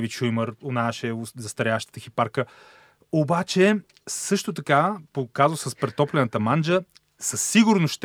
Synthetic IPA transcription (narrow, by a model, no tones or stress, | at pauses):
viʃujməɾonaʃɛzɐst̪ɐɾʲjaʃt̪ə̥t̪əxipaɾkə | obat͡ʃɛ | sɤʃt̪ot̪ɐkapokazsəspɾɛt̪ɔplɛnət̪əmand͡ʒə | səsːiɡʊɾnosʃt̪